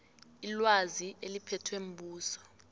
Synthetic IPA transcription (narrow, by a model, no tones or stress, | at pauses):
ilwazielipʰɛtʰwem̩ɓuːsɔ̥